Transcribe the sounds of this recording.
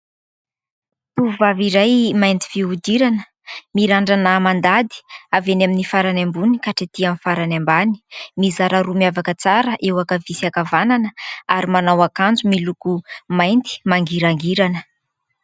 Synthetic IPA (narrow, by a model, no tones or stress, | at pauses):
t̪uvaviɾajmajnt̪i̥viud̪iɾanə̥ | miɾaɳɖ͡ʐanamand̪ad̪i̥avenaminifaɾanambunikaʈ͡ʂat̪iamfaɾanambani̥mizaɾaɾumiavakət͡saɾəʔewakavisakavananəaɾimanawakand͡zumilukumajnt̪i̥maŋɡiɾaŋɡiɾanə̥